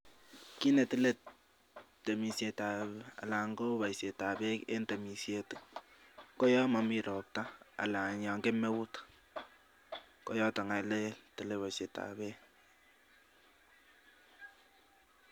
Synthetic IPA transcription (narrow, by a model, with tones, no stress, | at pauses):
ki˦ne˨ti˦le˦ | te˨mi˨se˨ta˨ba̰˨la˨ŋɡɔ˦ba˨jse˨ta˨be˦kḛ˦nte˨mi˨sje˨t | ko˦jɔ˦ma˨mi˨ɾɔ˨p̚ta˦a̰˨la˨ɲa˨ŋɡe˦me˦wʊ˦t | ko˦jɔ˦ta˨ŋa˨le˦tɪ˨le˦βa˨se˨ta̰˨be˦